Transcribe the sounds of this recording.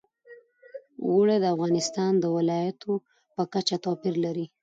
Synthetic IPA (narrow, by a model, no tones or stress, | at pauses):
wəɽed̪əafɣɑnɪst̪ɑnd̪əwɪlɑjat̪ʰo | pəkat͡ʃat̪ɑpɪɾlaɾi